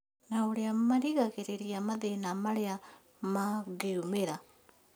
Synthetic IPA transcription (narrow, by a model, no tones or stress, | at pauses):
naoleammaɾiɣaɣeɾeɾiamaðenamalea | maɡeumeɾa